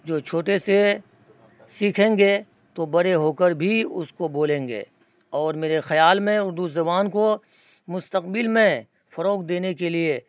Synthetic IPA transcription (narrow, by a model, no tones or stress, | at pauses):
d͡ʒoːt͡ʃʰoːʈese | siːkʰẽːŋɡe | t̪obɐɾeɦoːkəɾbʱiʊ̰skoboːlẽːŋɡḛː | ɔːɾmeːɾexɐjaːlmẽʊɾd̪uzɐbaːnko | mʊst̪əqbɪlmẽ | fɐɾoːkd̪eːnekelie